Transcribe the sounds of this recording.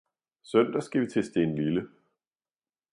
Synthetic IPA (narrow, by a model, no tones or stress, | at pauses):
sœn̰d̥ɐsɡ̥æʋit͡sʰe̝sd̥e̝nlylə